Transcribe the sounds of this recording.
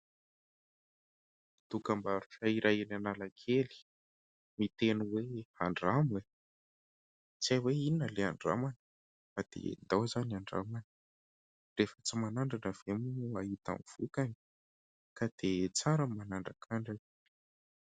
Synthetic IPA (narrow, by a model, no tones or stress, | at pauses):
t̪ukambaɾu̥ʈ͡ʂaiɾʔajinanalakʰeli̥ | mit̪enuweaɳɖ͡ʐame | t͡siajweinəleaɳɖ͡ʐa̰manə̥ | fad̪̥ḛd̪awzanaɳɖ͡ʐa̰manə̥ | refət͡simanaɳɖ͡ʐanəv̥emuaɦit̪a̰mv̥ukani̥ | kad̪̥et͡saɾəmanaɳɖ͡ʐakʰaɳɖ͡ʐani